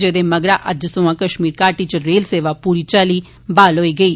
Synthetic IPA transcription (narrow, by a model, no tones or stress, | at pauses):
d͡ʒeːd̪eːməɡɾa̰ːʔəd͡ʒsʊːãːkəʃmiːɾkaːʈiːt͡ʃəɾeːlseːʋaːpuːɾiːt͡ʃaːliː | baːlɦoːiːɡəiː